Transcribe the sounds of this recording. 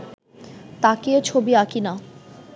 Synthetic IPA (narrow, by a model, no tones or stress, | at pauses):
t̪akeot͡ɕʰobiakina